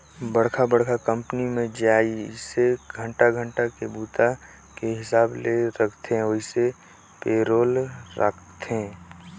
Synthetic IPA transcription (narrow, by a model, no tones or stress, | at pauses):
bəɽkʰabəɽkʰakə̃mpnimẽd͡ʒaːiseɡʱə̃ɳʈaɡʱə̃ɳʈakebuːt̪a | keɦɪsaːbleɾəkʰt̪ɛ̃oise | peːɾoːlɾə̰kʰt̪ẽ